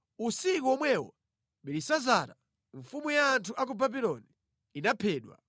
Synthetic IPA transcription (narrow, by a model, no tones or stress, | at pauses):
usikuɔmwɛwɔ̰ | mɓɛɾisazaɾa | ɱfumujaːntʰuʔak̬ubabilɔniː | napʰɛːɗwa̰